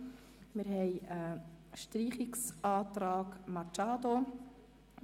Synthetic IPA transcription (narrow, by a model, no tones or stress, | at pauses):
mɪɾɦɛɪəʃtriːχɪksʔɑːt̪ɾɑːkmɑt͡ʃaːd̪o